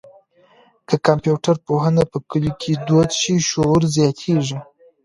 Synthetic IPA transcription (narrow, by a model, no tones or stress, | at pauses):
kəkampjuʈaɾpoɦənapəkəlokʰed̪ot̪ʃiʃoɾzjɑt̪ʰeʐi